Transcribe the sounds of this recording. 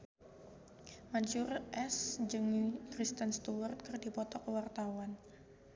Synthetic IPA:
maɲt͡ʃʊrʔɛsd͡ʒɨŋkɾist̪ənst̪uwərt̪̚kərdipɔt̪ɔkəwart̪awan

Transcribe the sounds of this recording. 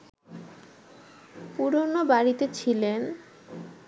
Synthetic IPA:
puɾonobaɾit̪et͡ɕʰilen

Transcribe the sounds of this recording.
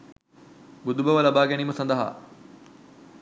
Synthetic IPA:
bʊd̪ubɐʋəlɐbaːɡeniːmɐsɐnd̪aɦa̰ː

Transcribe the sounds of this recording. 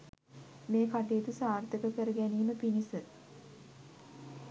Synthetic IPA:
meːkaʈeːt̪usaːrt̪ʰəkəkəɾəɡæniːməpinisə

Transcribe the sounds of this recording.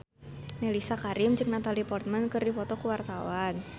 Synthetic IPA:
nelisakaɾɪmd͡ʒɨŋnat̪alipɔrt̪̚mankɨrdifɔt̪ɔkəwart̪awan

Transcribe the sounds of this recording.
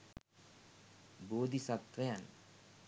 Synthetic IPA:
boːd̪ʱisɐt̪ʋɐjan

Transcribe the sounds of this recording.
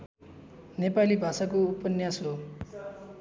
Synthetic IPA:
nepalibʱasakoupːʌnjaso

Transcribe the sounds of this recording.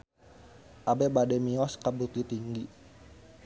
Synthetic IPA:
ʔabɛbadɛmiɔskabut̪ut̪iŋɡi

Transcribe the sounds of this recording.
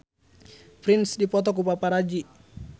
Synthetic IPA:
pɾɪnsdipɔt̪ɔk̬upapaɾad͡ʒi

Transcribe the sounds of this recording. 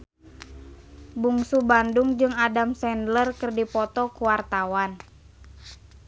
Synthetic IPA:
buŋsubandʊŋd͡ʒɨŋadamsɛndlərkɨrdipɔt̪ɔkuwart̪awan

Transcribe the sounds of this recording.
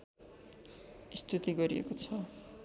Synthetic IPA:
ist̪ʰut̪iɡʌɾiḛkot͡sʰʌ

